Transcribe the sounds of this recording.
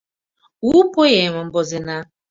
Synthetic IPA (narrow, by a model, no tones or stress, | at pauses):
upojeŋʷɔm̩bɔzɪna